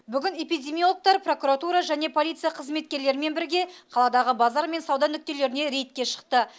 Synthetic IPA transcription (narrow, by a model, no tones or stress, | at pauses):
bʏɡʲɪne̞pijd̪ʲe̞mʲijolˠək̚t̪ɑɾpro̞kuɾat̪uɾɑʒæne̞pʰo̞lʲijt̪sɨjaqʰəzme̞t̪̚kʲe̞ɾle̞ɾɪme̞nbɪɾɡʲe̞qʰɑlˠɑd̪ɑʁəbɑzɑɾme̞nsɑwd̪ɑnʏk̚ʲt̪e̞le̞ɾɪne̞ɾe̞jt̪̚kʲe̞ʃə̥qt̪ə